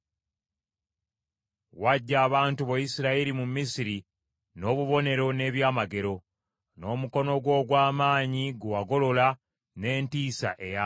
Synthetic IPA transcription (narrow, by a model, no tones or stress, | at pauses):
waɟːaːβaːntuβojisiɾaeɾimumisiɾi | no̞ːβuβo̞ne̞ɾo̞ne̞ːβjaːmaɡe̞ɾo̞ | no̞ːmuko̞no̞ɡwo̞ːɡwaːmaːɲiɡuwaɡo̞lo̞la | ne̞ːntiːsa̰ʔe̞ja